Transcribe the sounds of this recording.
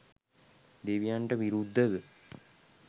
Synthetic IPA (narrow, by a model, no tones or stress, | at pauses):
d̪eʋijaɳʈəʋiɾud̪ʱːəʋə